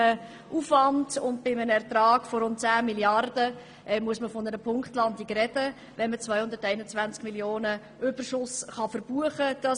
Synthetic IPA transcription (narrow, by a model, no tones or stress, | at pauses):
ə | ʔufɑndʊntbɪmənɛɾtɾɑːɡ̥fɔɾʊnt̚t͡sæːmiljɑrd̥ə | ʔɛmuəsməfɔnəɾəpʰʊŋkχtlɑndikɾɛdə | vɛnmət͡svœjhʊndəɾtɛɪnət͡svænt͡skmiljoːnə | ʔøb̥ərʃʊsχɑfəɾb̥uəχəd̥ɑ